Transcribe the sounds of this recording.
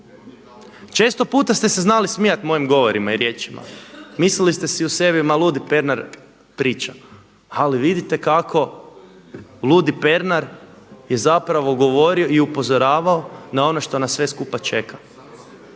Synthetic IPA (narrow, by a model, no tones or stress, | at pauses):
t͡ʃe̞ːst̪o̞puːt̪ast̪ese̞znalismijat̪mo̞jimɡo̞ʋo̞ɾimaiɾje̞ːt͡ʃima̰mislilist̪e̞siuse̞bimalˠud̪ipe̞ɾnaɾ | pɾiːt͡ʃa | aliʋid̪it̪e̞kakʰo̞ | lˠud̪ipe̞ɾnaɾje̞zapɾaʋo̞ɡo̞ʋo̞ɾio̞iupo̞zo̞ɾaːʋao̞nao̞no̞ʃt̪o̞nasːʋe̞skupat͡ʃe̞kʰḁ